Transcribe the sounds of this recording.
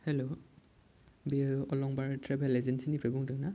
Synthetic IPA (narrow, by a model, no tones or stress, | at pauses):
hɛlo | biɔlɔŋbaɹtʰɹɛbɛlɛzɛnsinipʰɹɛbuŋdɔna